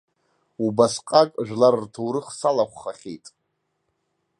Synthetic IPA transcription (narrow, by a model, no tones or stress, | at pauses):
ubasqʼakʼʒᶣʷlarrtʰowɾɨχsalaχʷχaχʲḛjtʼ